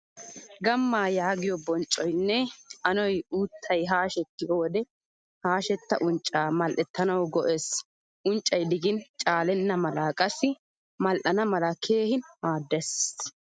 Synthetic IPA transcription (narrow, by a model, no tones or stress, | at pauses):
ɡɐmːaːjaːɡɪjɔbɔnt͡ʃʼːɔjnːɛɐnɔjuːt̪ʰːɐjɦaːʃɛt̪ːɪwɔwɔd̪ɛ | haːʃɛt̪ːɐ̰ʔʊnt͡ʃʼːaːmɐlʔɛt̪ːɐnɐwɡɔʔes | ʔʊnt͡ʃʼːɐjd̪ɪɡɪnt͡ʃʼaːlɛnːɐmɐlaːkʼɐsːɪ | mɐlʔɐnɐmɐlɐkʰe̞ːhɪnmaːd̪ːɛs